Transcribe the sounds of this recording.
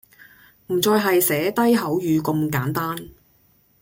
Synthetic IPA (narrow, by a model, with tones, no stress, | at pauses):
m̩˨˩t͡sɔː˧jɦɐ˨jsɛː˨˥t̪ɐ˥jɦɐ˨˥wjyː˨˧kɵ˧mkaː˨˥nt̪aː˥n